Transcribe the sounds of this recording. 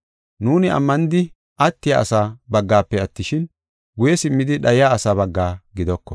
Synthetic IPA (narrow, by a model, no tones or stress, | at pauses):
nuːnɪɐ̰mːɐnɪd̪ɪ | ʔɐt̪ːɪjaɐ̰saːbɐɡːaːpːɛɐt̪ːɪʃɪn | ɡʊjɛsɪmːɪd̪ɪɗɐjɪjaːɐsaːbɐɡːaːɡɪd̪ɔkːɔ